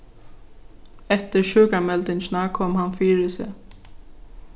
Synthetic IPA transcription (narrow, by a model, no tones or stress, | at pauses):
ɛt̪əɹʃøːkamɛlt̪ɪnʃnakʰɔːmhanfiːɾɪsɪ̰